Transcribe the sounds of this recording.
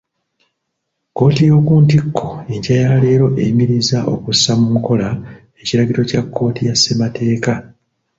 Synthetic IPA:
ko̞ːtijo̞ːkuːntikʰːo̞eɲɟajale̞ːɾo̞ʔemiɾizaʔo̞̰kusamumuko̞la | e̞ciɾaɟiɾo̞cakːo̞ːtijasːematʰe̞ːka

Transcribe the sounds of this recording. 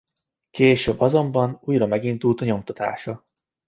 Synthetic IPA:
keːʃøbːɒzo̞mbɒnuːjrɒmɛɡind̪ult̪ɒɲo̞mt̪ɒt̪a̰ːʃɒ

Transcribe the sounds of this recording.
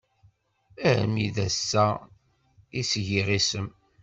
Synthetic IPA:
æ̰miðæsːæ | isʝiʁisəm

